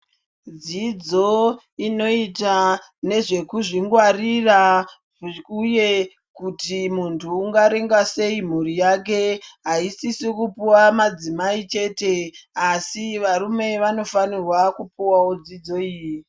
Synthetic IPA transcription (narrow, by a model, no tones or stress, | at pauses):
d͡zid͡zo̞ | ino̞ita | ne̞ʐe̞kuʐiŋɡwarira | uje̞ | kutimuntʰuːŋɡaɾeŋɡase̞im̤urijak̬e̞ɦaisisikupuwamad͡zimait͡ʃe̞ːte̞asiʋaɾume̞ʋano̞fanirwakupuwawod͡zid͡zo̞iːji